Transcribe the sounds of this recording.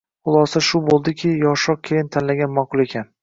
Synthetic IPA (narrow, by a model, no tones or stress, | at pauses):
χʊlˠɒsaʃʊbolˠd̪ɪkʲʰɪjɒʃɒq̚kʲʰejɪnt̪ʰanlaɡʲanmaqʰʊlˠe̞kʲʰan